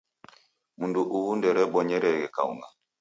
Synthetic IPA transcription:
munduʔuwundɛɾɛɓɔɲɛɾɛɡɛka̰wna̰

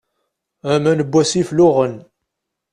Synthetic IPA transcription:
æmænəbːæsiflʊʁən

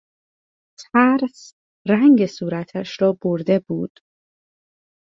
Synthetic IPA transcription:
t̪ʰæɾs | ɾæŋɟesuːɾæt̪ʰæʃɾɒːboɾd̪e̞buːd̪̥

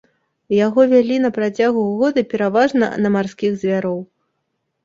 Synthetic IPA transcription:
jaɣɔvʲalʲinɐpɾat͡sʲaɣuɣɔd̪ɨpʲɛɾavaʐnɐ̰nɐmarskʲiɣzʲvʲaɾɔw

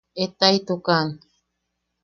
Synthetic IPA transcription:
et̪ajt̪ukan

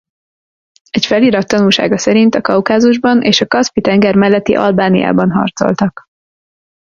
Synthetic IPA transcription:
ɛcfɛliːɾɒt̪ːɒnulʃa̰ːɡɒsɛɾint̪ɒkɒwkaːzuʒbɒnʔeːʃɒkɒspit̪ɛŋɡɛrmɛlːɛt̪ːḭʔɒ̰lbaːnija̰ːbɒnɦɒ̰rt̪so̞̰lt̪ɒk

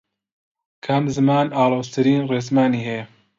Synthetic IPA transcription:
kʰɐmzɨmaːnaːloːst̪ʰɨɾiːnreːzmaːniːɦeː

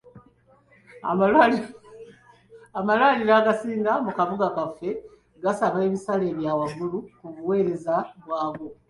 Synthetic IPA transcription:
a̰mla | amalwaliɾaːɡasiːŋɡamukaβuɡakafːe̞ | ɡasaβe̞ːβisale̞ːβjaːwaɡulukuβuwe̞ːɾe̞zaβwaːβo

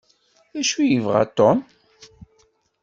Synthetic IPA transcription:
æʃujəvʁa̰t̪ːɔm

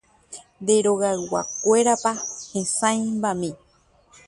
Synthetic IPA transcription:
nd̪eɾoɣawa̰kʷe̞ɾapahẽsãj̃mbamĩ

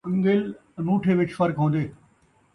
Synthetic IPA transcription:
ɪ̃ŋɡel | nũːʈʰeʋɪt͡ʃfɐɾkɦõːnd̪eː

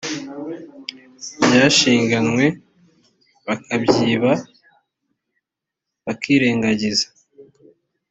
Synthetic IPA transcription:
bjaːʃiːŋɡanŋwe̞ | βakʰabɟiːβa | βakiːɾe̞ːŋɡaɟizḁ

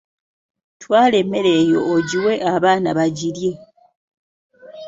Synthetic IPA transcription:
twaːle̞me̞ɾe̞ːjo̞ːɟiwe̞ʔaβaːnaβaɟiɾje̞

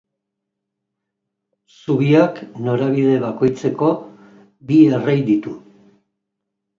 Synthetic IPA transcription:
suβiakno̞ɾaβ̞iðe̞βako̞jt͡se̞ko̞ | bierejd̪it̪u

